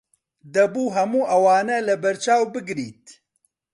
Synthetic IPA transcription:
d̪ɐbuːɦɐmuːʔɐwaːnɛlɨbɐɾt͡ʃaːwbɨɡɾiːt̪̚

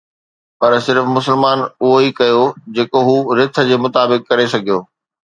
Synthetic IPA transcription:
pɐɾsɪɾfmʊsəlmaːnʊɦoikɐjod͡ʑeːkoɦuːɾɪt̪ʰə̆d͡ʑeːmʊt̪aːbɪkːɐɾesɐɡʱijoː

